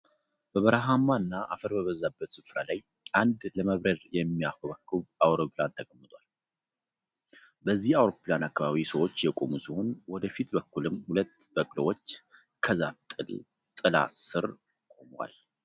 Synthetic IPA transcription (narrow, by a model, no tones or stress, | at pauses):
bəβəɾəɦamaɨnːaʔafəɾbəβəzːabːət̪sɨfɾalaj | ʔand̪ləməβɾəɾjɛmːiakoβəkːɨβawɾo̞plant̪ʰəɡʼəmːɨt̪ʼwal | bəzːihawɾo̞planakːaβaβisəwot͡ʃːjɛkʼo̞musiho̞nwɔd̪əfit̪bəkːulɨmːhulət̪ːbəkʼlwot͡ʃː | kʰəzaft̪ʼɨl | t̪ʼɨla̰sɨɾ | kʼo̞mwa̰l